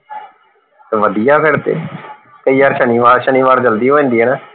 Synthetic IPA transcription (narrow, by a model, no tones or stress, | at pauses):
t̪ːʋəd̪ijaːpʰɪɾt̪ḛː | kəiːaːɾʃəniːʋaːɾʃəniːʋaːɾd͡ʒəld̪iːɦoːẽːnd̪iːɦɛːnaː